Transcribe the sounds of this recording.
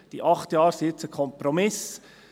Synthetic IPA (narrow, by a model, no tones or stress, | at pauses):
d̥iʔɑχtjɑːɾsɪt͡səkʰɔmpɾɔmɪs